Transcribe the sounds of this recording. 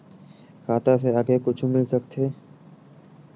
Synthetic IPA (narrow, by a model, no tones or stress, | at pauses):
xaːt̪aseaɡekʊt͡ʃʰmɪlsɐkt̪ʰeː